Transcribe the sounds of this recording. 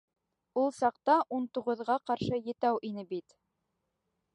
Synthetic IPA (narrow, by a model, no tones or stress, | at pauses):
ulˠsɑqt̪ɑʔunt̪uʁɤ̆ðʁɑqɑɾʃɤjɘ̆t̪æwʔinɘbit̪